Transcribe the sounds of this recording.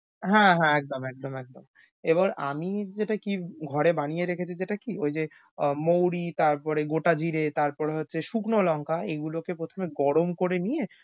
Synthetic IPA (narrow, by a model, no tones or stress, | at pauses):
ɦɛ̃ɦɛ̃ɛk̚d̪omɛk̚d̪omɛk̚d̪om | eboɾa̰mid͡ʑeʈakiɡʱɔɾebanijeɾekʰet͡ɕʰid͡ʑeʈakiojd͡ʑe | mowɾit̪aɾpɔɾeɡoʈad͡ʑiɾet̪aɾpɔɾeɦotːɕʰeʃuknolɔŋkaeɡulokepɾot̪ʰomeɡɔɽomkoɾenije